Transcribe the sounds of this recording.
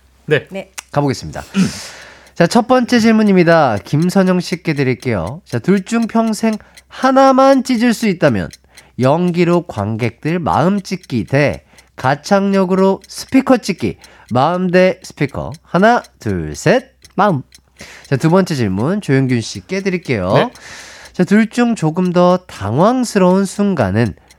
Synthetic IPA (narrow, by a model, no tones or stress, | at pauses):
nekaboɡe̞s͈ɯmɲida̰ | t͡ɕat͡ɕʰʌt̚p͈ʌnt͡ɕ͈e̞t͡ɕiɭmuɲimɲidakimsʰʌɲʌŋɕ͈ik̚k͈e̞dɯɾiɭk͈e̞jo̰t͡ɕatuɭt͡ɕ͈uŋpʰjʌŋsʰe̞ŋ | hanamant͡ɕ͈id͡ʑiɭs͈uit̚t͈amjʌ̰n | jʌŋɡiɾokwa̰ŋɡe̞k̚t͈ɯɭma̰ɯmt͡ɕ͈ik͈ide̞ | kat͡ɕʰaŋɲʌɡɯɾosʰɯ̥pʰikʰʌt͡ɕ͈ik͈ḭ | maɯmde̞sʰɯ̥pʰikʰʌ̰hanatṵɭsʰet̚m | t͡ɕatubʌnt͡ɕ͈ʰe̞t͡ɕiɭmunt͡ɕojoŋɡunɕʰik͈e̞dɯɾik͈e̞jo | t͡ɕatuɭt͡ɕ͈uŋt͡ɕoɡɯmdʌta̰ŋwaŋsʰɯɾʌunsʰuŋɡa̰nɯn